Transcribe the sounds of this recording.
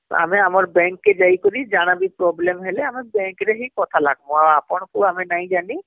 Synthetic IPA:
a̰meamɔɾbɛ̃ŋkːed͡ʒajkɔɾid͡ʒaɽ̃abipɾɔblemɦeleamebɛ̃ŋkɾeɦikɔt̪ʰalaɡʱmɔaapɔɳ̃kuamenaĩd͡ʒani

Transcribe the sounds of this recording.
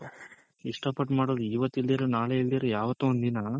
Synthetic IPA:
iʂʈɐpɐʈmaːɽoːd̪uiːʋɐt̪ːild̪iːɾɐnaːɭeild̪iɾɐjaːʋɐt̪ːuond̪inɐ

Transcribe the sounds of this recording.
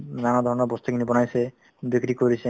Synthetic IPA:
nanad̪ʱɔɾɔnɔbɔst̪ʰokinibɔnajse | bikɾikoɾise

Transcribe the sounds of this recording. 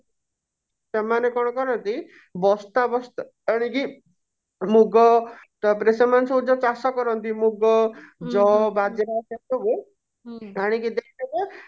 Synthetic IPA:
semanekɔɽ̃ɔkɔɾɔnt̪i | bɔst̪abɔst̪ | aɽ̃iki | muɡɔt̪ɔpɾesemansɔũd͡ʒɔt͡ʃasɔkɔɾɔnt̪imuɡɔd͡ʒɔbad͡ʒeɾasat̪obe | aɽ̃ikid̪ekʰit̪ebe

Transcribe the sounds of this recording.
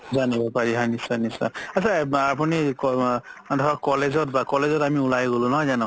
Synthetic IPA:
zanibɔpaɹiɦanisanisa̰asaapunikɔdʱʰaɹɔkɔlezɔtbakɔlezɔtamiulajɡolʊ̃nɔɦɔzanɔ̃

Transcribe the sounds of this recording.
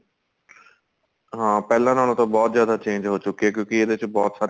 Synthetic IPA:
ɦãːpɛːlãːnaːl̃õːt̪õːbɔːt̪zjaːd̪aːt͡ʃẽːɲd͡ʒɦoːt͡ʃʊkːieːkjõːkieːd̪eɪt͡ʃbɔːt̪saːɾ

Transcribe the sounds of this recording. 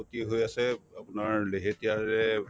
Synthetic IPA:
ot̪ieɦojasɛapnaɹleɦetijaɹɛ

